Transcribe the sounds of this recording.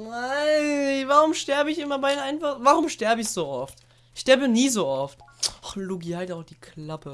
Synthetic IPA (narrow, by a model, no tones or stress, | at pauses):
naɪvaʁʊmʃtɛɐbəɪçɪmɐbaɪdnʔaɪnfaχvaʁʊmʃtɛɐbəɪçz̥oːʔɔft | ʔɪçʃtɛɐbəniːzoːʔɔftʔaχluɡihaɪtaʊxd̥iːkʰlapə